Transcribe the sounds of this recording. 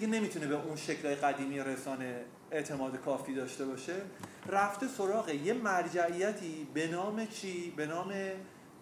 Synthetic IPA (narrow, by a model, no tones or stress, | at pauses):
ɡene̞mit̪ʰune̞be̞ʔunʃe̞cʰlɒːjeɣæd̪iːmiːɾe̞sɒːne̞ | eʔt̪ʰe̞mɒːd̪e̞kʰɒːfiːd̪ɒːʃt̪e̞bɒːʃe̞ | ræft̪e̞so̞ɾɒːɣe̞je̞mæɾd͡ʒæʔijæt̪ʰiːbe̞nɒːme̞t͡ʃʰiːbe̞nɒːme̞